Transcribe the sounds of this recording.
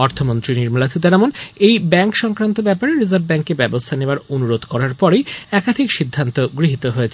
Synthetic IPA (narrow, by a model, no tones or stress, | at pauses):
ɔɾt̪ʰomont̪ɾiniɾmalasʰid̪aɾɛmonejbɛŋkʃɔŋkɾant̪obɛpaɾeɾizaɾbbɛŋkːebɛbost̪ʰaneoaɾonuɾod̪ʱkɔɾaɾpɔɾejɛkad̪ʱikʃid̪ʱːant̪oɡɾiɦit̪oɦoet͡ɕʰe